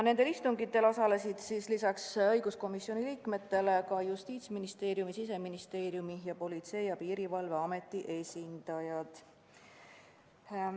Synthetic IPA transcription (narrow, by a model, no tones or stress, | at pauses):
ne̞nd̪elist̪uŋɡit̪ːˑe̞lo̞sɑle̞sid̪̥sislisɑksɤjɡ̥usko̞misio̞nʲiliːkme̞t̪ːe̞le̞kɑjust̪iːt̪sminist̪e̞ːɾjumisis̬e̞minist̪e̞ːɾjumijɑpo̞lʲit̪se̞jɑpiːɾivɑlve̞ɑme̞t̪ˑːiʔe̞sʲind̪̥ɑjɑd̪̥